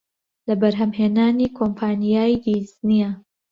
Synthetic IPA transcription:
lɐbɐɾɦɐmheːnaːniːkʰompʰaːnijaːjd̪iznija

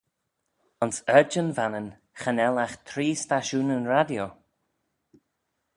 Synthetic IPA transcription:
ʊnsɛd͡ʒənvanən | xanɛlaxt̪ʰɾiːstaʃuːnənɹadjo

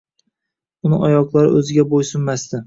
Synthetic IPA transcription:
ʊnɪʔɒjɒklˠaɾɪ̰ʔɵzɪɡʲabojsʊmːast̪ɪ

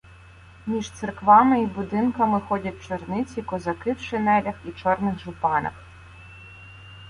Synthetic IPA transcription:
mʲiʒt̪sɨrkʋɑmɪibʊd̪ɪnkɐmɪxɔdʲɐt̚ʲt͡ʃɔrnɪt͡sʲikɔzɐkɪwʃɪnɛlʲɐxit͡ʃɔrnɪxʒʊpɑnɐ̰x

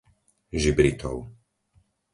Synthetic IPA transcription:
ʒibɾit̪ɔ̰ʊ

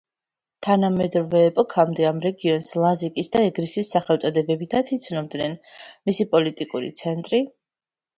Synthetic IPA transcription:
t̪ʰanamɛd̪ɾɔvɛːpʼɔkʰamd̪ɛamɾɛɡiɔnslˠazikʼisd̪aɛɡɾisisːaχɛlˠt̪sʼɔd̪ɛbɛbit̪ʰat̪sʰit̪sʰnɔmd̪nɛnmisipʼɔlit̪ʼikʼuɾḭt̪sʰɛnt̪ʼɾi

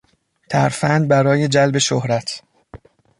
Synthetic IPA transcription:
t̪ʰæɾfænd̪̚bæɾɒːje̞d͡ʒælbe̞ʃohɾæt̪ʰ

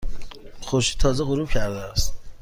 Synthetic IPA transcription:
χoʃi̥t̪ʰɔːzɛʁuɾubcʲʰæɾd̪æːst̪

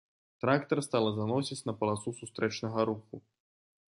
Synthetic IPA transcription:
t̪ɾakt̪ɐrst̪alˠɐzanɔsʲit͡sʲnɐpɐlˠat̪susust̪ɾɛt͡ʂnɐɣɐɾuxu

